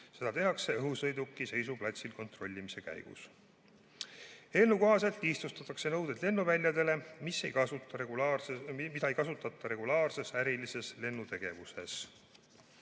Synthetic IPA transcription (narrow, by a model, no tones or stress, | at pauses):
se̞d̪ɑt̪e̞ɦɑkse̞ɤɦusɤjd̪ukːˑise̞jsuplɑt̪ʲsilko̞nt̪ro̞lʲːimise̞kæ̰jɡ̥ṵs | e̞nːukoɦɑse̞lt̪list̪ust̪ɑt̪ːˑɑkse̞nɤwd̪̥ed̪̥le̞nːuvælʲjɑd̪e̞le̞misejɑut̪ɑemid̪ɑejkɑsut̪ːˑɑt̪ːˑɑɾe̞ɡ̥ulɑːrse̞sæɾilise̞sle̞nːut̪e̞ɡ̥e̞vuse̞̰s